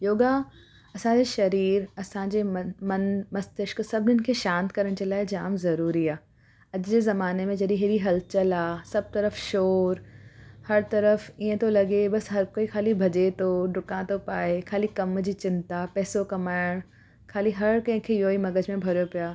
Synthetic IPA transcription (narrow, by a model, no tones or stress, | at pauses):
joːɡa | ɐsãd͡ʑeʃɐɾiːɾɐsãːd͡ʑeːmɐnmɐst̪ɪʃksɐbʱɪnɪnɪ̆kʰeːʃãːnt̪kɐɾəɽ̃d͡ʑeːlaːɪd͡ʑaːmzɐɾuːɾiaː | ɐʄd͡ʑeːzɐmaːnemẽd͡ʑɐɗiɦɪɾiɦɐlt͡ɕəlaːsɐb̚t̪ɐɾəfʃoːɾhɐɾt̪ɐɾəfiːə̃t̪ʰolɐɡebɐsɦɐɾkoːikʰaːlibʱɐd͡ʑet̪ʰoɖʊkãt̪ʰopaːekʰaːlikɐmd͡ʑiːt͡ɕɪ̃nt̪apɛːsokɐmaːɪɽ̃ | kʰaːliɦɐɾkɐ̃ɦɪ̃kʰeːjoːimɐɡəd͡ʑmẽbʱɐɾjopijaː